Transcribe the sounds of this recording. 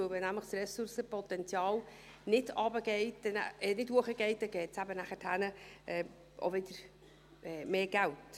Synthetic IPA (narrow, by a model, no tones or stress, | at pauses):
ʊvɛnæmləχsrɛsʊɾsəpɔtɛnt͡sjɑːl | nɪdɑbəɡeɪtdɛn̰nɪtduəχəɡ̥eɪt̚dɛɡ̥ɛːtsæbənæχətʰhænəɛː | ʔo̰vɪd̥əɾ | ɛːmeːɡ̥ælt